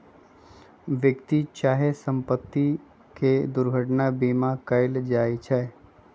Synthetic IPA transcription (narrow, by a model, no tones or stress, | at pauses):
ʋjəkt̪it͡ʃaːɦesə̃mpət̪ːi | ked̪ʊɾɡʱəʈnabiːmãkəɪld͡ʒaːit͡ʃʰɛ